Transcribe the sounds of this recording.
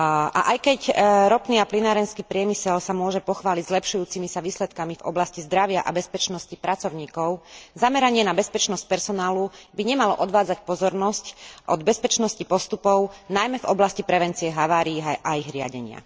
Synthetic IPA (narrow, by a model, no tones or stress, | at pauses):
ʔa̰ʔajkɛcɾɔpniːaplinaːɾɛnskiːpɾɪɛmisɛlsamʊɔʒɛpɔxʋaːliɟzlɛpʃujuːt͡simisaʋiːslɛt̪kamivɔ̰blascizd̪ɾaʋɪaʔa̰bɛspɛt͡ʃnɔscipɾat͡sɔʊɲiːkɔʊzamɛɾaɲɪɛnabɛspɛt͡ʃnɔsc̚pɛɾsɔnaːlubiɲɛmalɔ̰ʔɔd̪ʋaːd͡zacpɔzɔɾnɔscʔɔd̪bɛspɛt͡ʃnɔscipɔst̪upɔʊnajmɛvɔblascipɾɛʋɛnt͡siɪɛɦaʋaːɾiːʔaiɣɾɪa̰ɟɛɲɪa̰